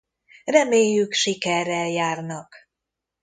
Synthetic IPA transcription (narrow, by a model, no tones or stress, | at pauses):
rɛmeːjːykʃikɛrːɛljaːrnɒk